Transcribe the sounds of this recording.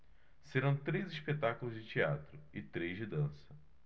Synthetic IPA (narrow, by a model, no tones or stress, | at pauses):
seɾɐ̃w̃t̪ɾejziʃpet̪akʊlʊzd͡ʒɪt͡ʃia̰t̪ɾʊɪt̪ɾejzd͡ʒɪd̪ɐ̃sɐ̥